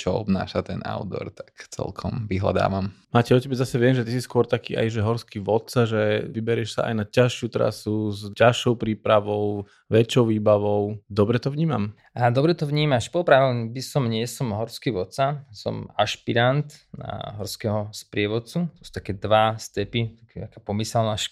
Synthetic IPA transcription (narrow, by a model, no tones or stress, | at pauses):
t͡ʃɔɔ̰bna̰ːʃat̪ɛna̰ʊd̪ɔ̰ɾt̪ḁkt͡sɛ̰lkʰɔmʋiɦla̰d̪a̰ːʋammaːcɛɔcɛbɛzasɛʋɪɛmʒɛt̪isiskʊɔɾt̪akḭːa̰jʒɛɦɔɾskiʋɔt̪t͡saʒɛʋibɛɾɪɛʃsa̰ʔa̰jnacaʃɪut̪ɾa̰suzcaʃɔʊpɾiːpɾaʋɔʊ | ʋɛt͡ʃːɔʊʋiːbaʋɔʊd̪ɔbɾɛt̪ɔvɲiːma̰m | ad̪ɔbɾɛt̪ɔʋɲiːmaʃpɔpɾaʋlbisɔmɲɪɛsɔmɦɔɾskiʋɔt̪sasɔ̰maʃpiɾant̪na̰ɦɔɾskɛɦɔspɾɪɛʋɔt͡sut̪ɔsu̥t̪akɛːd̪ʋast̪ɛpit̪akɛt̪akaːpɔmisɛlnaʃ